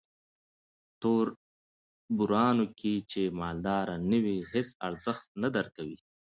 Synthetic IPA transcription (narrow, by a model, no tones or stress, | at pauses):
t̪oɾ | bʊɾɑːnokʰit͡ʃemɑːld̪ɑːɾanəwihesa̰ɾzəxt̪̚nad̪aɾkawi